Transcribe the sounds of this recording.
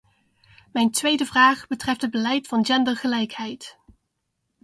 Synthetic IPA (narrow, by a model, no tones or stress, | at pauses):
mɛjntʋejdəvraːχbətrɛftɦəd̚bəlɛjtfɑnd͡ʒɛndəɹχəlɛjkɦɛjt